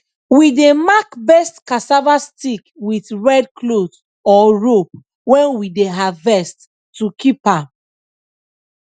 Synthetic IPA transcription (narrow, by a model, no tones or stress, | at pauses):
widemakbɛstkasavastikwitɹɛd̚kʰloz | ɔɹop̚ | wɛ̃nwideɦavvɛstː | ukipãm